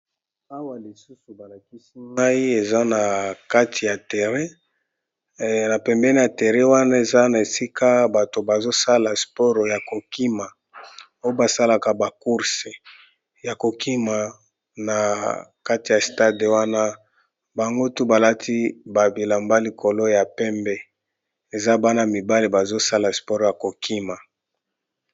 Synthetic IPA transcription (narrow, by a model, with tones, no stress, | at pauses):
a˦wa˨li˨su˦su˨ba˨la˨ki˦si˦ŋa˦i˦e˨za˦na˨ka˦tʰi˨ja˨tɛ˨ʁɛ˦ | na˨pɛ˨mbɛ˦ni˦a˨tɛ˨ʁɛ˦wa˦na˦e˨za˦na˨e˨si˦ka˦ba˨to˨ba˨zo˦sa˦la˨spɔ˦ʁja˨ko˨ki˦ma˨ | o˦jo˦ba˨sa˦la˨ka˨ba˨ku˦ʁse˨ | ja˨ko˨kʰi˦ma˨ | na˨ka˦ti˨ja˨sta˦de˨wa˦na˦ | ba˨ŋɡo˦tu˦ba˨la˦tʰi˦ba˨bi˨la˨mba˦li˨kʰo˨lo˦ja˨pɛ˦mbɛ˦ | e˨za˦ba˦na˨mi˨ba˦le˨ba˨zo˦sa˦la˨spɔ˦ʁja˨ko˨kʰi˦ma˨